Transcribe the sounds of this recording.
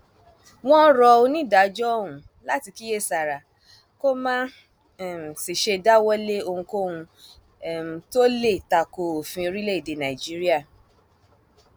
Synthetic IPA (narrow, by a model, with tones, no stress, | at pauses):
w̃ɔ̃˦ɾɔ˧o˧nĩ˦˨da˨˦d͡ʒɔ˦ũ˨˦ | la˦ti˧ki˦je˦˨sa˨ɾa˨ | ko˦mã˦˨ | si˨ʃe˧da˦wɔ˦le˦o˧hũ˧ko˦hũ˧˨ | to˦le˦˨ta˨ko˨o˨fĩ˧ɾi˦le˦i˦˨de˨nã˨i˨d͡ʒi˦ɾi˦a˦˨